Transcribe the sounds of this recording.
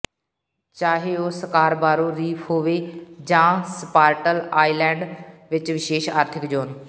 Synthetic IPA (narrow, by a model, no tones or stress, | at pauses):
t͡ʃaːɦeːoːsəkaːɾbaːɾoːɾiːpʰɦoːʋeːd͡ʒãːspaːɾʈəlaːiːlɛ̃ːɳɖʋɪt͡ʃʋɪʃeːʃaːɾt̪ʰɪkd͡ʒoːn